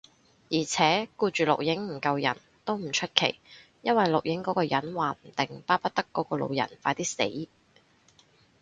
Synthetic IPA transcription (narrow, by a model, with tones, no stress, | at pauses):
jiː˨˩t͡sʰɛː˨˥kuː˧t͡ʃyː˨lʊ̰˨k̚jɪ˨˥ŋm̩˨˩kɐ˧wjɐ̰˨˩n | t̪o˥wm̩˨˩t͡ʃʰɵ˥t̚kʰe˨˩j | jɐ˥nwɐ˨jlʊ˨k̚jɪ˨˥ŋkɔː˨˥kɔː˧jɐ˨˥nwaː˨m̩˨˩t̪ɪ˨˩ŋpaː˥pɐ˥t̚t̪ɐ˥kːɔː˨˧˥kɔː˧lo̰˨˧wjɐ̰˨˩nfaː˨˥t̪iː˥sḛ˨˥j